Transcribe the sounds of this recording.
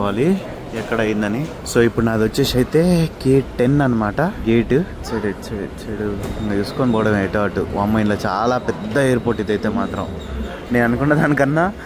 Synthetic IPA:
aːli | ɛkːɐɽɐjind̪ɐni | so̞ːipːuɽunaːd̪ʋot͡ʃːeːʂɐjt̪e̞ːkeːʈʈenːɐnːɐmaːʈɐɡiːʈu | t͡ʃeɽet͡ʃeɽt͡ʃeɽuisu̥koːnipɔːɐɽɐmejʈɐːɐʈːṵʋɐːmːɐjnloːt͡ʃa̰ːlaːpɛd̪ːɐeːɾpoːʈːid̪ɐjt̪eːmaːt̪ɾɐ̰m | neːnɐnukuɳːaːd̪aːnikɐnːaː

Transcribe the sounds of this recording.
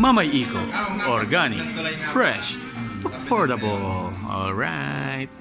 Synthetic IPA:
mamajiko̰ʔɔɹɡanɪ̰kfɹɛʃ | əpʰɔɹɾabəl | ɔ̰lˠɹaɪt̪̚

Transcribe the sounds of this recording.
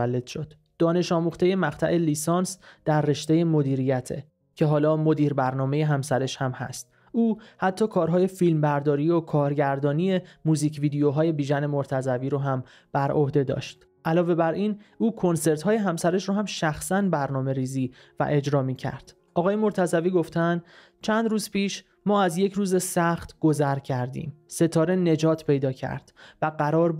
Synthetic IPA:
ælːed̪̥ʃod̪̥ | d̪̥ɒːne̞ʃɒːmuːxt̪e̞je̞mæɢt̪ʰæ̰ʔeliːsɒːnsd̪̥æɾːe̞ʃt̪e̞je̞mo̞d̪iːɾijæt̪ʰḛ | cʰe̞ɦɒːlɒːmo̞d̪iːɾbæɾnɒːme̞je̞ɦæmsæɾe̞ʃhæmhæ̰st̪̚ | ʔuːhæt̪ʰːɒːkʰɒːɾɦɒːje̞filmbæɾd̪ɒːɾiːokʰɒːɾɟæɾd̪ɒːnije̞muːziːcʰviːd̪ejoɦɒːje̞biːʒæne̞moɾt̪ʰæzæviːɾoɦæm | b̥æɾʔo̞hd̪e̞d̪ɒ̰ːʃt̪ | ʔælɒːve̞bæɾiːnuːkʰo̞nse̞ɾt̪hɒːje̞ɦæmsæɾeʃɾoɦæmʃæxsænbæɾnɒːme̞ɾiːziː | væ̰ʔe̞d͡ʒɾɒːmicʰæ̰ɾd̪̥ | ʔɒːɣɒːje̞moɾt̪ʰæzæviːɡo̞ft̪ʰænd̪ | t͡ʃʰænd̪ɾuːzpʰiːʃ | mɒːæzje̞cʰɾuːze̞sæxt̪ʰɡ̥o̞zæɾcʰæɾd̪ḭːmse̞t̪ʰɒːɾe̞ne̞d͡ʒɒːt̪ʰpʰe̞jd̪ɒːcʰæ̰ɾd̪̥væɢæɾɒːɾ

